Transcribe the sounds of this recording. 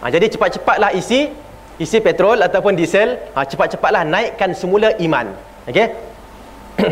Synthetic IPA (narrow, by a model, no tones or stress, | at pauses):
ʔã̰d͡ʒadit͡ʃəpat̪̚t͡ʃəpat̪̚lahisi | isipet̪ɾɔlat̪awpʊndisɛlat͡ʃəpat̪̚t͡ʃəpat̪̚lahnãiʔkansəmũlaʔimã̰n | oke